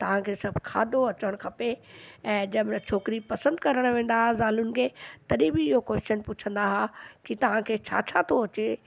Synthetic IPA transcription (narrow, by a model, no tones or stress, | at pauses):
t̪ɐʋ̤ãkʰeːsɐbʱkʰa̰ːd̪ʱoɐt͡ɕəɽ̃kʰɐpeɛ̃ːd͡ʑɐbt͡ɕʰoːkɪɾipɐsə̃nd̪kɐɾəɽ̃ʋẽːn̆d̪aɦazaːlʊnɪkʰeːt̪ɐɗĩbɪɪɦokwest͡ʃənpʊt͡ɕʰə̃nd̪aɦakit̪ɐʋ̤ãkʰeːt͡ɕʰa̰ːt͡ɕʰat̪ʰoɐt͡ɕeː